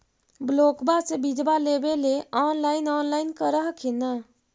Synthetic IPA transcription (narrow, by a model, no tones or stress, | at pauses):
blokbasebid͡ʒbalebeleɔnlaɪnɔːnlaɪnkəɾəɦkʰinə